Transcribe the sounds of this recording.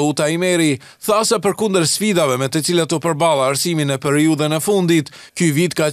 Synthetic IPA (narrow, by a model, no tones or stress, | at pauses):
ut̪aimɛɾi | θasɛpəɾkund̪əɾsfid̪avɛmɛt̪ət͡silat̪ɔpəɾbalˠaaɾsiminɛpɛɾiuðənɛfund̪it̪ | kyvit̪ka